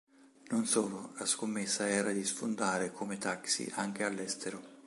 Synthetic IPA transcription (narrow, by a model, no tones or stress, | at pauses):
nonsoːlolaskomːesːaɛːɾad̪isfond̪aːɾekʰomet̪aksḭʔaŋk̟ealːɛst̪ʰeɾo